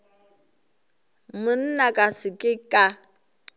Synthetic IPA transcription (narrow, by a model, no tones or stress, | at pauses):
mʊn̩nakʼasɪkʼɪkʼa